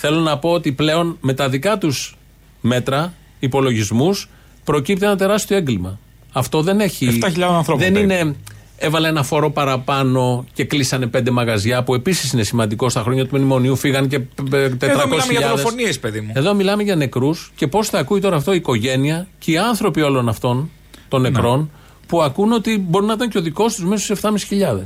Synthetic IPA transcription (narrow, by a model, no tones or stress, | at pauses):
θe̞lo̞nɐpo̞ot̪iple̞o̞nme̞t̪ɐðikɐt̪us | me̞t̪ɾɐ | ipo̞lo̞ʝizmus | pɾo̞cip̚t̪enɐt̪e̞ɾɐst̪oe̞ŋɡlimɐ | ɐft̪oðe̞ne̞çift̪ɐçiʎɐðɐ̃nθɾoðe̞nine̞ | e̞vɐleenɐfo̞ɾo̞pɐɾɐpɐno̞ce̞klisɐne̞pe̞nd̪e̞mɐɣɐzʝɐpue̞pisi̥sine̞simɐnd̪iko̞st̪ɐxɾo̞ɲɐt̪uminimo̞niufiɣɐnce̞t̪eɾɐkoseɐsçiʎɐɐðefosniespeðimueðomilɐme̞ʝɐne̞kɾusce̞po̞sθɐːkuit̪o̞ɾɐːft̪o̞iːko̞ʝe̞niɐceiɐnθɾo̞pio̞lo̞nɐft̪o̞n | t̪o̞nːe̞kɾo̞n | puɐkuno̞t̪ibo̞ɾinɐit̪ɐnco̞ðiko̞st̪uzmeso̥seft̪ɐmisi̥çiʎɐðes